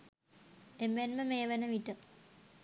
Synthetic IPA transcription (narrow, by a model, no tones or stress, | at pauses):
emːenməmejəʋenəʋiʈə